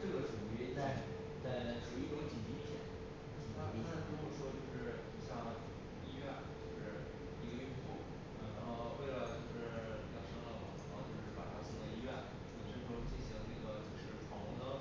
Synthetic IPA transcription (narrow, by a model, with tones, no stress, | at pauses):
ʈ͡ʂɤ˥˩ɡə˩ʈ͡ʂu˨˩t͡ɕy˧˥t͡sa˥˩ɪ | t͡sa˥˩ɪʈ͡ʂu˧˩˥i˥˩ʈ͡ʂo˧˥t͡ɕi˨˩nt͡ɕi˧˥˩t͡ɕʰjɛ̰˧˩˥n˩ | t̪ʰa˥ni˧˥a˥˩n˥t̪o˥ʊxʂwɔ˥t͡ɕjo˥˧ʊʂɻ̩˥˩˨ɕjɑ˥˧ŋ | i˥ɥɛ˥˩nt͡ɕjo˥˧ʊʂɻ̩˥˩ | i˧˥ɡə˧y˥˧nfu˥˩ | ɻa˧˥˩ɻa˧˥nxo˥˧ʊwe˥˩ɪlə˩t͡ɕjo˥˧ʊʂɻ̩˥˩˥jɑ˥˩ŋʂɑ˥ŋlɑ˥˩˨ɻa̰˧˥xo˥˧ʊt͡ɕjo˥˧ʊʂɻ̩˥˩pa̰˨˩a˥ɕi˧˥ŋd̪ə˧i˥ɥɛ˥˩n˥˩ | ʂə˥ʈ͡ʂʰo˥˧˥ʂt͡ɕi˥˩nɕi˧˥ŋ˧na˥˩ɡə˩t͡ɕjo˥˧ʊʂɻ̩˥˩pʰɑ˧˥ŋ˥d̪ə˧